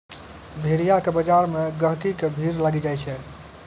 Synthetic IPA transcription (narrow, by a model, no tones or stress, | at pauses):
bʱeɾijakebəd͡ʒaɾmeɡəɦkikebʱiɾlaɡid͡ʒajt͡ʃʰɛ